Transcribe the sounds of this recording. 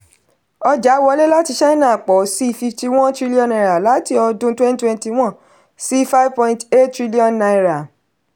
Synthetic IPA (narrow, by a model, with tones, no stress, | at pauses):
ɔ˧d͡ʒa˨˦wɔ˧˦le˦la˦ti˧ʃɛ˦ĩ˦nã˦˨k͡pɔ˨˦si˦˧˨fi˧fti˧w̃ɔ̃˦ntɾi˦li˦ɔ̃˧˨nã˧˨ɾa˨la˨˦ti˧ɔ˧dũ˦twɛ̃˦n˦twɛ̃˧nti˧w̃ɔ̃˦ | si˦fa˦vpɔ̃˧ĩ˧nte˦ttɾi˦li˦ɔ̃˦˨nːã˧ĩ˧ɾa˨